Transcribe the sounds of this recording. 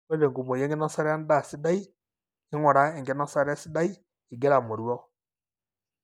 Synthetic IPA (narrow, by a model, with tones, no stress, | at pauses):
e˦de˨ŋɡu˨mo˨je˦ŋɡe˦nɔ˦sa˦ɾe˦a˦n˦da˦˨si˦da˦i˦ | e˦ŋo˨ɾa˦e˨ŋɡe˦nɔ˦sa˦ɾa˦si˦da˦i˦ | i˨ɡe˦ɾa˨mo˨ɾwɔ˦